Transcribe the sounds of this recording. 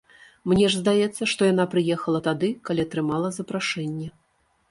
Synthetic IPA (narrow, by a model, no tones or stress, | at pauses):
mnʲɛʐzd̪ajɛt̪sːɐʂt̪ɔjan̪apɾɨjɛxɐlˠɐt̪ad̪ɨkalʲiɐt̪ɾɨmalˠɐzɐpɾaʂɛnʲːɛ